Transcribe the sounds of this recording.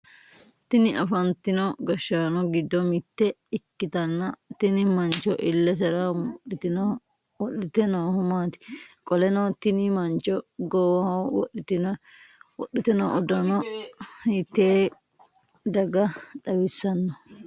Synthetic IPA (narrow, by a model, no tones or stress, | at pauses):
t̪ɪnɪʔɐfɐnt̪ɪnɔɡɐʃaːnɔɡɪd̪ːɔmɪt̪ːɛɪkːɪt̪ɐnːɐt̪ɪnɪmɐnt͡ʃɔʔɪlːɛs̬ɛɾɐɪt̪ɪn | wɔɗɪt̪ɛnoːhʊmaːt̪ɪ̥kʼɔlɛnɔt̪ɪnɪmɐnt͡ʃɔɡɔwɐwɔᶑɪt̪ɪnwɔɗːɪt̪ɛnɔʔɔd̪ɐnɔhit̪ːeː | d̪ɐɡɐᶑɐwɪsːɐnːɔ